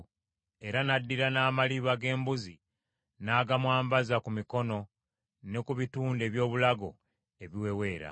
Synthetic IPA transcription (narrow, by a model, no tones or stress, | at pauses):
e̞ɾanadːiɾanaːmaliβaɡe̞ːmbuzi | naːɡamwaːmbazakumiko̞no̞ | ne̞kuβituːnde̞βjo̞ːβulaɡo̞̰ | e̞βiwe̞we̞ːɾa̰